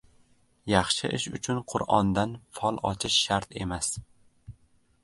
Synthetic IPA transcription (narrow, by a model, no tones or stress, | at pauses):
jɑχʃɪʔɪʃʊ̰t͡ʃʰʊnqʰʊɾɒnd̪anfɒlˠɒt͡ʃʰɪʃːaɾt̪e̞mas